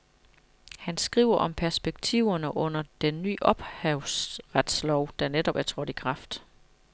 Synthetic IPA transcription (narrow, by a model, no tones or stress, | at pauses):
hænsɡ̥ʁiʊ̰ɐʔɒ̽mpʰæɐsb̥eɡ̥t͡sʰiʊ̰ɐnəʔɔ̽n̰ɐd̥enːy̰ːʔɒ̽b̥hɛʊsʁad̥slɒʊ̰d̥æned̥ɒ̽b̥æɐt͡sʰʁɔd̥ikʰʁɑ̈fd̥